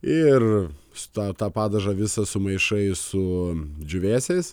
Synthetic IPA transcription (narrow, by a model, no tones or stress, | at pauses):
ɪr | sʊ̥t̪ɑt̪ɑːpɑːd̪ɐʒɐʋʲɪsɐsʊmɐɪʃɐɪsʊd͡ʒʲʊʋʲæːsʲɛɪs